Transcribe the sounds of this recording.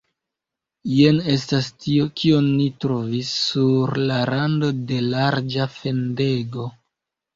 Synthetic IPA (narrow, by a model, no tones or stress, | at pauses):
jene̞s̬tastio̞kionːitɾo̞visːuɾlaɾando̞de̞laɾd͡ʒafe̞nde̞ɡo̞